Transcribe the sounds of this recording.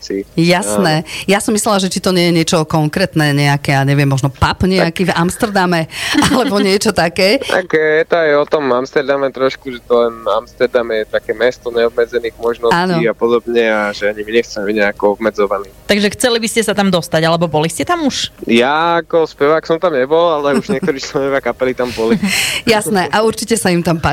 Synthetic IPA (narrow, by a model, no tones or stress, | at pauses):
sijasnɛːjasɔmːislɛlaʒɛt͡ʃit̪ɔɲɪɛjɛɲɪɛt͡ʃɔkɔŋkɾɛt̪nɛɲɛakɛaɲɛʋɪɛmːɔʒnɔpapɲɛakiːvamst̪ɛɾd̪amɛalɛbɔɲɪɛt͡ʃɔt̪akɛːa̰kɛjɛt̪ɔajɔt̪ɔmamst̪ɛɾd̪amɛt̪ɾɔʃkuʒɛt̪ɔlɛnamst̪ɛɾd̪amɛɛt̪akɛmɛst̪ɔɲɛɔbmɛd͡zɛniːɣmɔʒnɔaaːnɔiapɔd̪ɔbɲɛaʒɛaɲimiɲɛxt͡sɛmɛbiɟɲɛakɔɔbmɛd͡zɔʋaniːt̪aɡʒɛxt͡sɛlibiscɛsat̪amd̪ɔst̪aɟalɛbɔbɔliscɛt̪amuʃjaːkɔspɛʋaːksɔmt̪amɲɛbɔlalɛuʒɲɪɛk̪ɔɾiːt͡ʃlɛnɔʋɪakapɛlit̪ambɔlijasnɛʔauɾt͡ʃicɛsaimt̪ampa